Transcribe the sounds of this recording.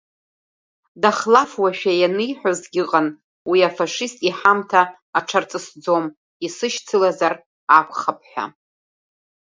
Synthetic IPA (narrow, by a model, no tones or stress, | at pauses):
daχlafwaʃᶣajanɨjħʷᶣazɡʲɪqʼan | wiafaʂistʼiħamtʰaː | ʈ͡ʂʰart͡sʼɨsd͡zo̞m | isɨʃt͡sʰɨlazar | akʷʰʼχap̚ʰʼħʷᶣa̰